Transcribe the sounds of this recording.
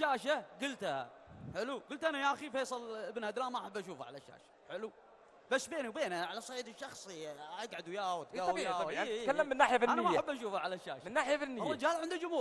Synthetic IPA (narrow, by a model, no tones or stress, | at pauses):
ʃaːʃaɡʊlt̪ha̰ | ħɪluɡʊlt̪ʔanajaʔaxifeːsˤɨləbnhad̪laːnmaʔħabːʔaʃuːfa̰ʕa̰laʃːa̰ːʃḁħɪlu | basːbeːniwbeːnaʕalasˤɑʕiːd̪ɪʃːɑxsˤiʔaɡʕad̪ujaːwt̪ɡawjaːwkalːamːɪnːaːħɪjafinanːmajːaħabːʔaʃuːfaʕalaʃːa̰ːʃamɪnːaːħɪjafinːɪjrːɪd͡ʒaːlʕɪnd̪id͡ʒʊmhuː